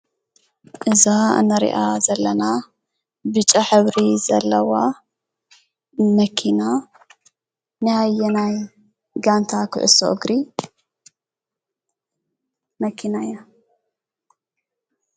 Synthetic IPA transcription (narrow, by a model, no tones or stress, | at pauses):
ʔɨzaɨ̰nɐɾḭʔazɐlːɐna | bɨt͡ʃʼːaħɨβɾizɐlːɐwa | mɐkʰina | nɨhajɛnaj | ɡant̪ʰakʰɨ̰ʕɨ̰so̰ʔɨɡɾi | mɐkʰinaia